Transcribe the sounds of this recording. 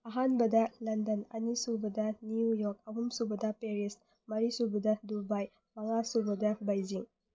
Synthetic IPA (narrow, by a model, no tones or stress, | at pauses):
ɐɦanbɐdɐlɐndɐnɐnisubɐdɐnijujɔk̚ɐbumsubɐdɐpeɾis | mɐɾisubɐdɐdubaj | mɐŋasubɐdɐbajziŋ